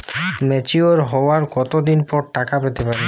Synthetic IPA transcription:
mɛt͡ɕioɾɦɔoaɾkɔt̪od̪inpɔɾʈakapet̪epaɾe

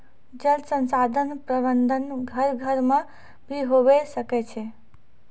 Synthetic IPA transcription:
d͡ʒəlt̪sə̃nsad̪ʱənpɾəbənd̪ʱənɡʱəɾɡʱəɾmã | bʱiɦoʋesəket͡ʃʰe

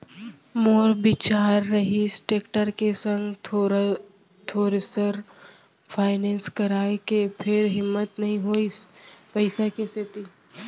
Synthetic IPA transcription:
moːɾbɪt͡ʃaːɾːɐɦisʈeːkʈəɾkesɐ̃ŋɡʰ | t̪ʰoːɾesəɾ | pʰaːɪnɛ̃ːnskɐɾaːekepʰɪɾɦɪmːət̪nɐɦĩɦoːispɐɪsakeset̪i

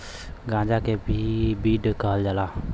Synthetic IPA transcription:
ɡãːd͡ʒakebʱibiːɖkəɦəld͡ʒala

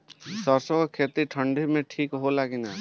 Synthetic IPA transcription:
sɔɾsɔkɔkʰet̪iʈʰəɳɖimẽʈʰikɦolakina

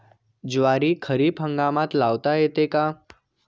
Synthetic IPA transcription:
d͡ʒʋaɾikʰəɾibɦə̃ŋɡamãt̪laʋt̪aet̪eka

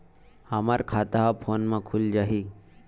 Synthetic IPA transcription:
hamaɾkʰat̪aɦapʰonmãkʰuld͡ʒaɦi

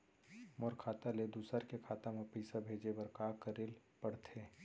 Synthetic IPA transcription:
mɔɾkʰaːt̪aled̪usəɾkekʰaːt̪amepiːsabʱeːd͡ʒebəɾkaːkəɾɪlpəɽt̪ʰeː

